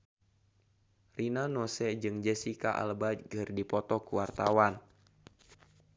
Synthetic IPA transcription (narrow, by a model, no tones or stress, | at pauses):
rinanɔsɛd͡ʒɨŋd͡ʒɛsikaʔa̰lbad͡ʒɡɨrdipɔt̪ɔkuwart̪awan